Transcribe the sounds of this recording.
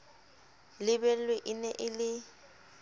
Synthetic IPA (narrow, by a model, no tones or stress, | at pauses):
lɪbɛlweʔɪnɛʔɪlɪ